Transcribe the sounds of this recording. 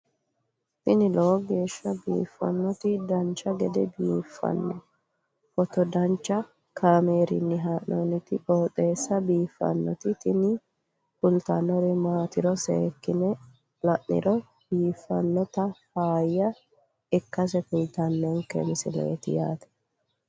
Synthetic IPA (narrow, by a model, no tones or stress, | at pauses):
t̪ɪnɪloːɡe̞ːʃːɐbḭːfːɐ̰nːɔt̪ɪd̪ɐnt͡ʃːɐɡɛd̪ɛbiːfːɐ̰nːɔ | fɔt̪ɔd̪ɐnt͡ʃːɐ | kʰameːɾɪ̰nːɪɦaːʔnɔnɪt̪ɪkoːt̪ʼːe̞ːsːɐbiːfːɐ̰nːɔ̰t̪ɪt̪ɪnɪ | pʊlt̪ɐnɔɾɪmaːt̪ɪɾɔsḛːkːɪnɛ | lɐʔnɪ̰ɾɔ | b̥iːfːɐnːɔt̪ɐfaːjːɐ | ɪkːɐs̬ɛkʊlt̪ɐnːɛŋkɛ̰mɪsɪlḛːt̪ɪ̰jaːt̪ɛ̥